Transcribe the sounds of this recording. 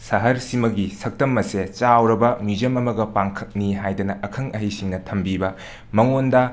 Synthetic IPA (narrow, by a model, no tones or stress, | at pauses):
sɐɦɐɾsimɐɡisɐk̚tɐmːɐset͡ʃawɾɐbɐmid͡ʒɐmɐmɐɡɐpaŋkʰɐk̚niɦajdɐnɐʔɐkʰɐŋɐɦijsiŋnɐtʰɐmbibɐ | mɐŋondɐ